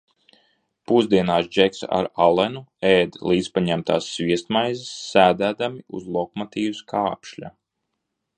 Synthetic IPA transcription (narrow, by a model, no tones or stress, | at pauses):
puzd̪iɛnaːsd͡ʒɛksa̰ɾalˠɛnuɛːd̪lˠiːt̪spaɲæmt̪a̰ːsːviɛst̪majzisːæːd̪æːd̪amiṵzlˠɔkmat̪iːwuskʰaːpʃlʲa̰